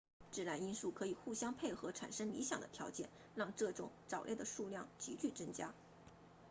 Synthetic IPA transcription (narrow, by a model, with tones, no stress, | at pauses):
ʈ͡ʂɻ̩˥˩la˧˥ni˥nʂu˥˩kʰɤ˧˥i˨˩xu˥˩ɕjɑ˥ŋpʰe˥˩ɪxɤ˧˥ʈ͡ʂʰa˨˩nʂɤ˥ŋlḭ˧˥ɕjɑ̰˨˩ŋd̪ə̰˦t̪ʰjɑ˧˥ʊt͡ɕjɛ̰˥˩n | ɻɑ˥˧ŋʈ͡ʂɤ˥˩ʈ͡ʂʊ̰˨˥˦ŋʈ͡ʂɑ˨˩ʊljɛ̰˥˩d̪ə˩ʂu˥˧ljɑ˥˩ŋt͡ɕi˧˥t͡ɕy˥˩t͡sɤ˥ŋt͡ɕja˥